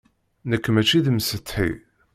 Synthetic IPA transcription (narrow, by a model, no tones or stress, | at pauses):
nəkːmæt͡ʃːiðmsət̪ːħḭ